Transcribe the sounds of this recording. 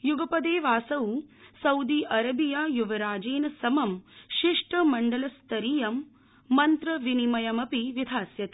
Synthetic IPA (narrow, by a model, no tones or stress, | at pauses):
juɡɐpɐd̪eːʋaːsɐwsɐwd̪iːʔɐɾɐbijaːjuʋɐɾaːd͡ʒeːnɐsɐmɐmʃiʂʈɐmɐɳɖɐlɐst̪ɐɾijɐmː | ɐnt̪ɾɐʋinimɐjɐmɐpiʋid̪ʱaːsjɐt̪i